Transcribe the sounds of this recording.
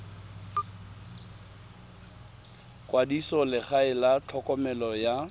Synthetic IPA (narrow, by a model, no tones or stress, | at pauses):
kʼwadisɔlɪχaɪlat͡ɬʰɔkʼɔmɛlɔja